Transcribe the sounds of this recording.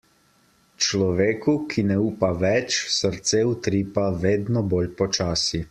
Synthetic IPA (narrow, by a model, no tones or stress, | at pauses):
t͡ʃlɔʋeːkukʰinɛuːpaʋɛt͡ʃsəɾt̪seut̪ɾiːpaʋeːd̪nɔboːlpɔt͡ʃaːsi